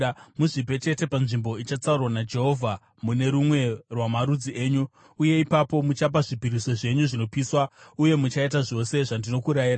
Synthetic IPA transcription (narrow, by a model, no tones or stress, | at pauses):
muʐibʱe̞t͡ʃe̞te̞panʐimbo̞it͡ʃat͡saurwanad͡ʒe̞ɦo̞vʱa | mune̞ɾumwe̞rwamaɾud͡ziʔe̞ːɲuː | je̞ipapo̞mut͡ʃap̬aʐibʱiɾiso̞ʐe̞ɲuʐino̞piːswauje̞mut͡ʃaitaʐo̞se̞ʐandino̞kuɾajiːɾa